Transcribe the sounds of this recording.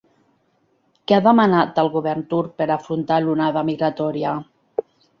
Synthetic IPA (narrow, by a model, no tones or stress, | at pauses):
keaðəmanat̪əlˠɣuβɛɾnt̪uɾk̚peɾafɾunt̪alunaðamiɣɾat̪ɔɾia